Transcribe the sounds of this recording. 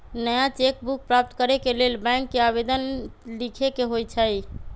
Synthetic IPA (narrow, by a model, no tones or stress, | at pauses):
nəjat͡ʃek̚buk̚pɾap̚t̪kəɾekelelbɛ̃ŋkːeabed̪ənlikʰekeɦojt͡ʃʰəj